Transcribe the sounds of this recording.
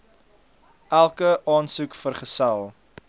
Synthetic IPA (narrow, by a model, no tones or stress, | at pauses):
ʔælˠkəʔɑːnsukfərχəsælˠ